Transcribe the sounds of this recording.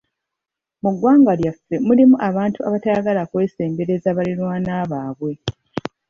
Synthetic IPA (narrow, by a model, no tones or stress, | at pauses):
muɡwaːŋɡaljafːe̞mulimuʔaβaːntuʔaβataɡalakwe̞ːse̞ːmbe̞ɾe̞zaβalinwaːnaːβaːβwe̞